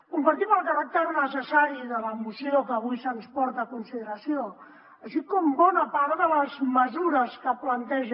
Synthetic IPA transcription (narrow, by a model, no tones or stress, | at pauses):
kumpəɾt̪iməlˠkəɾak̚t̪əɾnəsəsaɾiðələmusiokəːβujsənspɔɾt̪əːkunsiðəɾəsio | əʃikɔmbɔnəpaɾðələzməzuɾəskəplənt̪ɛʒ